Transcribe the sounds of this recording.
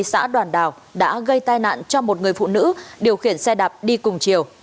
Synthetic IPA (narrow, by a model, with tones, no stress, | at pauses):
sa̰ː˧˥ɗwaː˨˩nɗaː˨˩w | ɗa̰ː˧˥ɣə˧jt̪aː˧jna̰ː˧˨nt͡ɕɔ˧mo˨˩t̚ŋɨ˨˩əjfṵ˧˨nɨ̰˧˥ɗi˨˩əwxi˧˩ənsɛ˧ɗaː˨˩p̚ɗi˧kʊ˨˩ŋ͡mt͡ɕi˨˩əw